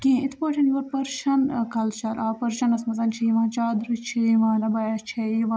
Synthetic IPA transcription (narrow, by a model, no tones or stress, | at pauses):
kẽːit̪ʰpɐːʈʰɐnjoːɾpɐɾʃɐnkʰɐlʃɐɾaːpɐɾʃɐnɐsmɐzɐnt͡ʃʰiʋãːnt͡ʃaːd̪ɾɨt͡ʃʰiʋãːnɐbɐjɐt͡ʃʰeiʋaː